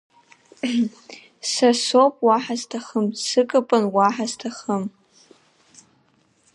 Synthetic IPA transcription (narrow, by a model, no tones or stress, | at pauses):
sasopʼwaħaztʰaχəmsɨkʼapʼɨnwaħastʰaχəm